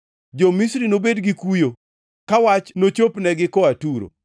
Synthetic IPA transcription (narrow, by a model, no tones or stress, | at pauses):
d͡ʒomisɾinobedɡikujo | kawat͡ʃnot͡ʃopnɛɡɪkɔatuɾo̰